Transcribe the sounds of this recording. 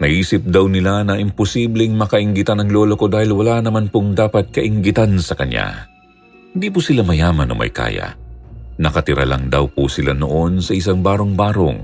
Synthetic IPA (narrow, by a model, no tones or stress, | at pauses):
nɐhiːsɪp̚d̪ɐwnɪlanɐʔɪmposiːblɛŋmɐkɐʔɪŋɡɪt̪anɐŋlo̞ːlokod̪aːhɪlwɐlanɐmanpoŋd̪aːpɐt̪̚kɐʔɪŋɡɪt̪ansɐkɐɲja̰ | hɪnd̪iːpʊsɪlamɐjaːmɐno̰ŋmɐ̰jka̰ːjɐ̰nɐkɐt̪ɪɾɐ̰la̰ŋd̪ɐwpusɪlano̰ʔo̞nsɐʔɪs̬aŋbaːɾo̞ŋbaːɾo̰ŋ